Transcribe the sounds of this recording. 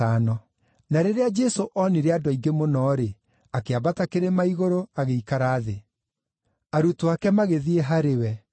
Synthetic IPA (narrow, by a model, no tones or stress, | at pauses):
anɔ | naɾeɾead͡ʒɛsoʔɔniɾeadwaiɡemonɔːɾe | akeabatakeɾemaiɣoɾoaɣeikaɾaːðe | aɾutoakɛmaɣeðieɦaɾewɛ